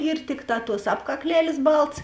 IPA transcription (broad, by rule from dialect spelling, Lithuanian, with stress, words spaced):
ɪr ˈtʲɪkˌtɑː tuɔs ɐpkɐkˈlʲæːlʲeːs ˈbɐlˠtɐs